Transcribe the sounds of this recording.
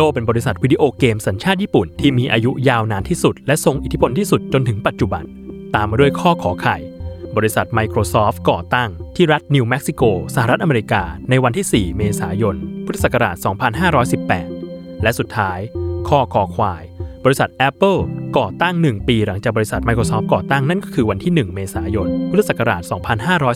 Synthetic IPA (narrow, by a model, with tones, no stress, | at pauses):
loː˥˩pe˧nbɔː˧ɾi˦˥sa˨˩t̪̚wi˦˥diː˧ʔoː˧keː˧msa˩˦nt͡ɕʰaː˥˩t̪̚jiː˥˩pu˨˩nt̪ʰiː˥˩miː˧ʔaː˧ju˦˥jaː˧˩wnaː˨˧nt̪ʰiː˥˩su˨˩t̪̚lɛ˦˥ʔso˧ŋʔi˨˩t̪ʰi˦˥pʰo˧nt̪ʰiː˥˩su˨˩t̪̚t͡ɕo˧nt̪ʰɯ˩˦ŋpa˨˩t̪̚t͡ɕu˨˩ba̰˧n | t̪aː˧mːaː˧du˥˩əjkʰɔː˥˩kʰɔː˩˦kʰa˨˩jbɔː˧ɾi˦˥sa˨˩t̪̚ma˧jkʰɾoː˧sɔː˦˥fkɔː˨˩t̪a˥˩ŋt̪ʰiː˥˩ɾa˦˥t̪̚niː˧wmɛ˦˥k̚si˧˩koː˧sa˧ha˨ɾa˦˥t̪̚ʔa˧meː˧ɾi˧kaː˧na˧jwa˧nt̪ʰiː˥˩siː˨˩meː˧saː˩˦jo˧npʰu˥t̪ʰːa˥˧˩sa˨˩kːa˧ɾaː˨˩t̪̚sɔː˩˦ŋpʰa˧nɦaː˥˩ɾɔː˦˥jsi˨˩pːɛ̰ː˨˩t̪̚ | lɛ˦˥ʔsu˨˩t̪ʰːaː˦˥jkʰɔː˥˩kʰɔː˩˦kʰwaː˧jbɔː˧ɾi˦˥sa˨˩t̪̚ʔɛ˦˥pːɤ˥˩kɔː˨˩t̪a˥˩ŋnɯ˨˩ŋpiː˧ɾa˩˦ŋt͡ɕaː˨˩k̚bɔː˧i˦˥sa˨˩t̪̚ma˧jkʰɾoː˧sɔː˦˥p̚kɔː˨˩t̪a˥˩ŋna˥˩nkɔː˥˩kʰɯː˧wa˧nt̪ʰiː˥˩nɯ˨˩ŋmeː˧saː˩˦jo˧npʰuː˥˧a˧˩sa˨˩ka˧ɾaː˨˩t̪̚sɔː˩˦ŋpʰa˧nɦaː˥˩ɾɔː˦˥j